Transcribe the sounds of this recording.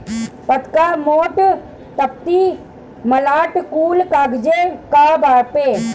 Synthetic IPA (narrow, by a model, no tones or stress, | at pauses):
pət̪kamoːʈ | t̪ɐp̚t̪i | mɐlaːʈkuːlkaːɡd͡ʒekabaːɾpeː